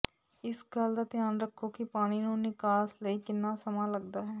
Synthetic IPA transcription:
ɪsɡəld̪aːt̪ɪjaːnɾəkʰːokɪpaːɽ̃iːnũːnɪkaːsləiːkɪnːaːsəmaːləɡd̪aːɦɛː

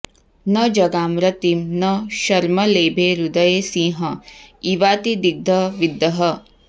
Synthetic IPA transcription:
nɐd͡ʒɐɡaːmɾɐt̪imnɐʃɐɾmɐleːbʱeːɾud̪ɐjeːsĩːɦɐiʋaːt̪id̪iɡ̚d̪ʱɐʋid̪ːɐɦɐ

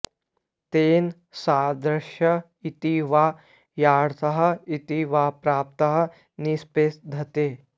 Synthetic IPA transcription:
t̪eːn | saːd̪ɾɐʃjɐ | it̪iʋaː | jaːɽt̪ɐɦɐ̆it̪iʋaːpɾaːp̚t̪ɐɦɐ̆ | nispeːsd̪ʱɐt̪eː

